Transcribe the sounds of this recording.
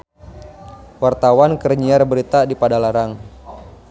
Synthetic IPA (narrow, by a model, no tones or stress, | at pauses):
wart̪awankərɲiarbəɾit̪adipadalaɾaŋ